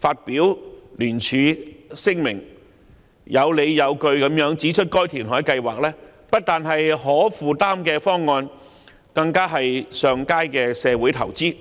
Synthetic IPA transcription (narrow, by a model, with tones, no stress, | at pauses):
faː˧t̚piː˨˥wlyː˨˩nt͡ʃʰyː˨˧sɪ˥ŋmɪ̰˨˩ŋ | jʔɐ˨˧wle˨˧jjɐ˨˧wkɵ˧ɥkɐ˨˥mjœː˨˥ŋt͡siː˨˥t͡ʃʰɵ˥t̚kɔː˥jt̪ʰiː˨˩nɦɔː˨˥jkɐ˧jwaː˨˩k̚lɛː˥ | pɐ˥t̚t̪aː˨nɦɐ˨jɦɔː˨˥fuː˨t̪aː˥mkɛː˧fɔː˥ŋːɔː˧n | kɐ˧ŋkaː˥ɦɐ˨jsœː˨ŋkaː˥jkɛː˧sɛː˨˧wuː˨˥jt̪ʰɐ˨˩wt͡siː˥